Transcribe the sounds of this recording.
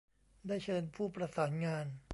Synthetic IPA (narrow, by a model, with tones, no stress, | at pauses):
daː˥˩jt͡ɕʰɤː˧npʰuː˥˩pɾa˧saː˩˦nŋaː˧n